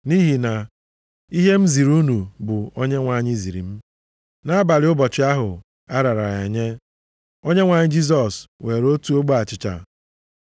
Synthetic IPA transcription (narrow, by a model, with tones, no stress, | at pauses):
ni˦ɦi˨na˨ | i˦ɦe˦m̩˦zi˨ɾu˦nu˨bʊ˨o˦ɲe˦ŋʷa˨ɲɪ˦zi˨ɾḭ˨m̩˦ | na˦ba˨ɾɪ˨˦ʊ˦bɔ˨t͡ʃɪ˨˦a˦ɦʊ˨ | a˦ɾa˨ɾa˨e˨ɲe˦ | o˦ɲe˦ŋʷa˨ɲɪ˦d͡ʒi˦s̬ɔ˨swe˨ɾo˦tu˦o˦ɡ͡bo˦a˨t͡ʃɪ˨t͡ʃa̰˨